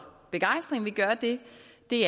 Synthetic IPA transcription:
b̥e̝ɡ̥ɑ̈ɪ̰sd̥ʁeŋʋiɡ̥ɶːɐd̥e̝d̥e̝æ

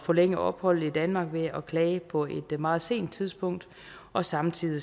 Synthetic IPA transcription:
fɒ̽leŋ̰əɒ̽b̥hɒ̽l̰̩id̥ænmɑ̈ɡ̥ʋe̝ɒkʰlɛːpʰɒ̽e̝d̥mɑ̈ːð̞̩ˠse̝̰ːnd̥̚t͡sʰið̞ˠsb̥ɔ̽ŋ̰d̥ | ɒ̽sɑ̈mt͡sʰið̰ˠi

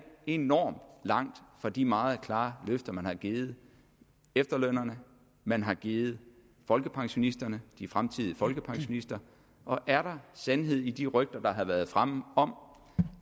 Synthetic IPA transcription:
e̝nɒ̰ːmd̥lɑ̈ŋ̰d̥fɑ̈d̥imɑ̈ːð̞̩ˠkʰlɑ̈ːløfd̥ɐmænhɑ̈ɡ̥iːð̩ˠ | efd̥ɐløn̰ɐnə | mænɦɑ̈ɡ̥iːð̩ˠ | fɒ̽lɡ̥əpʰɑ̈ŋɕo̝nisd̥ɐnəd̥ifʁamt͡sʰið̞̰ˠəfɒ̽lɡ̥əpʰɑ̈ŋɕo̝nisd̥ɐ | ʔɒ̽ʔæɐɾ̥ɑ̈sænɦe̝ð̞̰ˠid̥iʁœɡ̥̚d̥ɐd̥ɑ̈ɦæʋæɐð̞ˠfʁaməɒ̽m

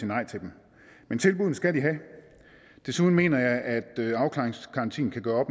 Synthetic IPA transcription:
inːɑ̈ɪt͡sʰe̝ld̥em | ment͡sʰe̝lb̥uðˠn̩sɡ̥ædiɦæ | d̥e̝suðˠn̩me̝̰ːnɐjɑ̈ɪʔæd̥øɑ̈ʊkʰlɑ̈eŋskʰɑ̈nt͡sʰḭːn̩kʰæɡ̥ɶːɐɒ̽b̥m

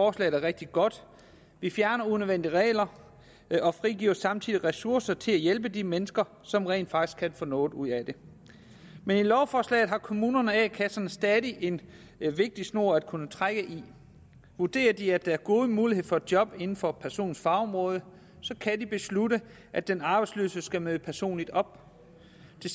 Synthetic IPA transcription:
fɒːslɛ̰ɪð̩ˠæɐʁeɡ̥̚d̥iɡ̥ɒ̽d̥ | ʋifjæɐnɐunøʋen̰d̥iʁɛ̰ːɪlɐ | ɒ̽fʁiɡḭːɐsɑ̈mt͡sʰiðˠiʁɛsuɐsɐt͡sʰe̝læjelb̥əd̥imenəsɡ̥ɐ | sɒ̽mʁɛ̰ːnd̥fɑ̈ɡ̥isɡ̥kʰænfɔ̽nɔ̰̽ːd̥uð̞̰ˠæd̥e̝ | menilɒʊfɒːslɛ̰ɪðˠɦɑ̈kʰo̝muːnɐnəɛkʰæsɐnəsd̥ɛːðˠiʔe̝n | ʋe̝ɡ̥̚d̥isno̝ɐ̰æd̥̚kʰunət͡sʰʁaɡ̥əʔi | ʋuɐd̥e̝̰ːɐd̥iæd̥ææɐɡ̥o̝ːð̞ˠəmuːliɦe̝ð̰ˠfɒ̽ed̥̚jɒ̽b̥e̝nn̩fɒ̽pʰæɐso̝̰ːn̩sfɑ̈ːɒ̽mʁɔ̽ːð̞ˠə | sɒ̽kʰæd̥ib̥e̝sluɾə | ʔæd̥enɑ̈ːb̥ɑ̈ɪd̥slø̰ːsəsɡ̥æmøðˠəpʰæɐso̝̰ːnlid̥ɒ̽b̥ | d̥e

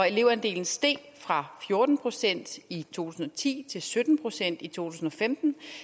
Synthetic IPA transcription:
ɒ̽e̝le̝ʊ̰ɐend̥e̝̰ːln̩sd̥e̝̰ː | fʁɑ̈fjo̝ɐd̥n̩pʰʁo̝sen̰d̥it͡sʰo̝̰ːt͡sʰu̥ːsn̩ɒt͡sʰḭːt͡sʰe̝lsød̥n̩pʰʁo̝sen̰d̥it͡sʰo̝̰ːt͡sʰuːsn̩ɒ̽femd̥n̩

